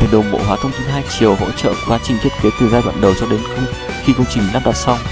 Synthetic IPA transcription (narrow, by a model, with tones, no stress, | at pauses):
e˨˩ɗo˨˩ŋ͡mɓo̰˧˨ɦwaː˨˦t̪ʰə˧wŋ͡mt̪ʰi˧nɦaː˧jt͡ɕi˨˩əwɦo̰˧˥t͡ɕə̰˧˨ku˨˧˩kwaː˨˦t͡ɕï˨˩ŋ̟t̪i˦˥ət̚ki˨˦t̪ɨ˨˩zaː˧jɗwa̰ː˧˨nɗə˨˩wt͡ɕɔ˧ɗe˨˦nxə˧ŋ͡m | xi˧kə˧wŋ͡mt͡ɕï˨˩ŋ̟la˦˥p̚ɗa˨˩t̚sa˧w